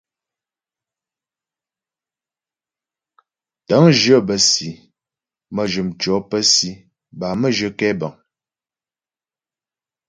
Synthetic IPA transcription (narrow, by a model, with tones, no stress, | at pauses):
tə˨˦ŋʒə˦˨bə˨si˨ | mə˨ʒə˨mt͡ʃɔ˨˦pə˦si˨˦ | ba˨mə˦˨ʒə˦kɛ˦ba˨ŋ